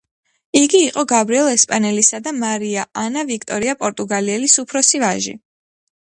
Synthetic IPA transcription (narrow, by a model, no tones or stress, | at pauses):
iɡiːqʼɔɡabɾiɛlˠɛspʼanɛlisad̪amaɾiaanavikʰt̪ʼɔɾiapʼɔɾt̪ʼuɡaliɛlisupʰɾɔsivaʒḭ